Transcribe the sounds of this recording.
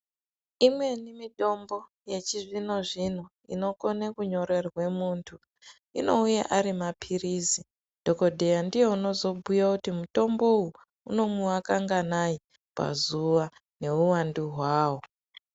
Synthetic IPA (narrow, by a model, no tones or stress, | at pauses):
imwe̞nimitʼo̞mbo̞ | je̞t͡ʃiʐino̞ʐin̤o | ḭno̞ko̞nekuɲo̞ɾe̞rwe̞muːntʰu | ino̞ujḛʔaɾimapʰiriːzi | d̥ʱo̞ko̞dʱejandije̞uno̞zo̞bʱujakutimuto̞mbo̞u | uno̞muwakaŋɡanai | pa̰zuʋa | ne̞uwanduɦwaːwo̞